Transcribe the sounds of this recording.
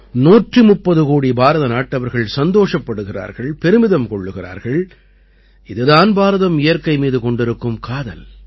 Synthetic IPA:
nuːʈrimʊpːɐðɯkoːɽibaːɾɐðɐnaːʈːɐʋɐɾɣɐɭsɐnd̪oːʂɐpːɐɽɯɣɪra̰ːɾɣɐɭpɛɾɯmɪðɐmkɔɭːɯɣɪra̰ːɾɣɐɭ | ɪðɯðaːnbaːɾɐðɐmɪjɐɾkɐɪmiːðɯkɔɳɖɪɾɯkːɯmkaːðɐ̰l

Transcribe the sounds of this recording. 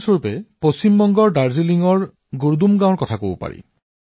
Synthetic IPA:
soɹpɛpost͡ɕimbɔŋɡɔɹdaɹziliŋɔɹ | ɡuɹdumɡãɔɹkɔtʰakobʊpa̰ɹḭ

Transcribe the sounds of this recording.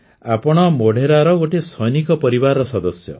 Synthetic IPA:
apɔɽ̃ɔmoɽ̤ʱeɾaɾɔɡoʈesʰɔjnikɔpɔɾibaɾɔsɔd̪ɔsjɔ̰

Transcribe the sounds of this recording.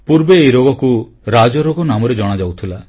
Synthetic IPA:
puɾbeːjɾoɡɔku | ɾad͡ʒɔɾoɡɔnamɔɾed͡ʒɔɽ̃ad͡ʒawt̪ʰila

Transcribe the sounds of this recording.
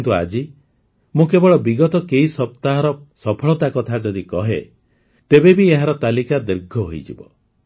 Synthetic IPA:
nt̪ua̰d͡ʒi | mũkebɔɭɔbiɡɔt̪ɔkeisɔp̚t̪aɦɔɾɔsɔpʰɔɭɔt̪akɔt̪ʰad͡ʒɔd̪ikɔɦe | t̪ebebieɦaɾɔt̪alikad̪eɾɡʱɔɦojd͡ʒḭbɔ

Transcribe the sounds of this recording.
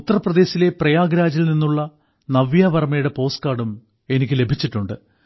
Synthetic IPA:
ut̪ːɐrɐprɐd̪e̞ːɕile̞prɐjaːɡɾaːd͡ʑilninːuɭːɐ | nɐʋjaːʋɐrmɐjuɽe̞po̞ːskaːɽum | e̞nikʲːɨle̞bʱit͡ɕːiʈːuɳɖɨ

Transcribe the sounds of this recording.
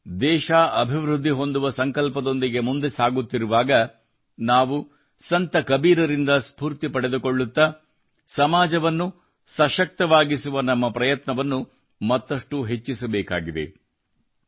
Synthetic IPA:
d̪ɛːʃaːɐbʱiʋɾud̪ʱːiɦo̞nd̪uʋɐsɐŋkɐlpɐd̪o̞nd̪iɡe̞mund̪esaːɡut̪ːiɾuʋaːɡɐ | naːʋu | sɐnt̪ɐkɐbiːɾɐɾind̪ɐspuːɾt̪ipɐɽe̞d̪ukoɭːut̪ːɐ | sɐmaːd͡ʒɐʋɐnːu | sɐʃɐk̚t̪ɐʋaːɡisuʋɐnɐmːɐpɾɐjɐt̪nɐʋɐnːu | mɐt̪ːɐʂʈuɦe̞t͡ʃːisɐbɛːka̰ːɡid̪ḛ

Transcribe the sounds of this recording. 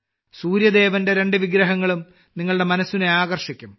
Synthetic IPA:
suːɾjɐd̪e̞ːʋɐnde̞ɾe̞ɳɖɨʋiɡɾɐɦɐŋːɐɭum | niŋːɐɭɨɽe̞mɐnɐsːineaːɡɐrʂikʲːum

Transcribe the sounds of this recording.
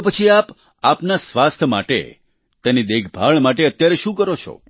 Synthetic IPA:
pət͡ʃʰiap | apnasʋast̪ʰma̰ʈḛ | t̪enid̪eɡʰʱbʱaɭmaʈeət̪jaɾeʃũkəɾot͡ʃʰo̰

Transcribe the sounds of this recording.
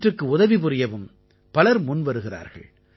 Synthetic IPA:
ʈrɯkːɯʊðɐʋipʊɾɪjɐʋɯm | pɐlɐɾmʊnʋɐɾɯɣɪra̰ːɾɣɐ̰ɭ

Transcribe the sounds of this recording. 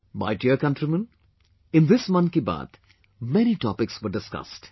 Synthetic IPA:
ba̰ɪʈiəkɐ̃nʈɾimə̃n | ɪ̃nd̪ɪsmʌ̃nt̪kiba̰ːt̪ | mɛñiʈɔpɪksʋəɾɖɪskʌ̰sʈ

